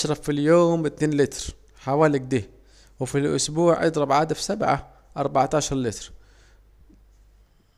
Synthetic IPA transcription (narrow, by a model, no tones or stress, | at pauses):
aʃɾˤɑfːiljoːmbɪt̪neːnlɪt̪ɾ | ħawaːlɪɡ̚d̪iː | wɪfilʔʊ̰sbuːʕʔɪ̰d̪ɾˤɑbʕaːd̪afsabʕa̰ | ʔɑɾˤbaʕt̪aːʃɑɾˤlɪt̪ɾ